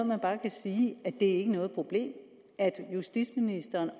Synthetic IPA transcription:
mænb̥ɑ̈ːkʰæsiːæd̥e̝æɐe̝ɡ̥ənɔ̽ːð̞̩ˠpʰʁo̝b̥le̝̰ːm | æd̥jusd̥id̥sminisd̥ɐːn

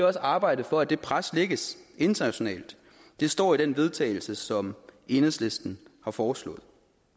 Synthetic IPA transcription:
ɒ̽səɑ̈ːb̥ɑ̈ɪ̰d̥ð̩ˠfɒ̽æd̥e̝pʰʁasleɡ̥əse̝nd̥ɐnæɕo̝nɛ̰ːld̥ | d̥e̝sd̥ɒ̰ːiɾ̥enʋe̝ð̞ˠt͡sʰɛ̰ːɪl̩səsɒ̽me̝nəðˠsle̝sd̥n̩hɑ̈fɒːslɔ̰̽ːð̞̩ˠ

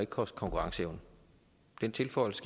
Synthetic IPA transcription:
e̝ɡ̥̚kʰɒsd̥̚kʰɒ̽ŋkʰuʁɑ̈ŋsəeʊnə | d̥ent͡sʰe̝lfɒ̽ɪlsə̥ɡ̥

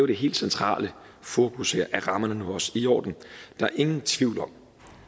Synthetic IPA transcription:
ʊɾ̥e̝ɦe̝̰ːld̥sent͡sʰʁɑ̰̈ːlə | fo̝kʰusḛɐ̰ʔæʁɑ̈mɐnənuɒsijɒ̰ːd̥n̩d̥ɑ̈æɐʔe̝ŋn̩t͡sʰʋiʊ̰lɒ̽m̰

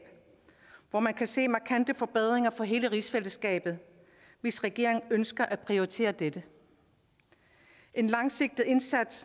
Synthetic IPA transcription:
ʋɒmænkʰæse̝̰ːmɑ̈kʰænd̥əfɒ̽b̥eð̞̰ˠʁeŋɐfɒ̽ɦe̝ːləʁisfeləsɡ̥ɛ̰ːb̥ð̩ˠ | ʋe̝sʁɛɡ̥e̝ɐe̝ŋŋønsɡ̥ɐʔæpʰʁioʁit͡sʰe̝̰ːɐd̥ed̥ə | ʔe̝nlɑ̈ŋse̝ɡ̥̚d̥ð̩ˠe̝nsæd̥s

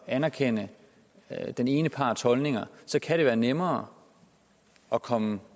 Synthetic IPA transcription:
ænæɐkʰenə | d̥ene̝ːnəpʰɑ̰̈ːd̥shɒ̽lne̝ŋɐsɒ̽kʰæɾ̥e̝ʋæːɐnemɐː | ɒ̽kʰɒ̽mə

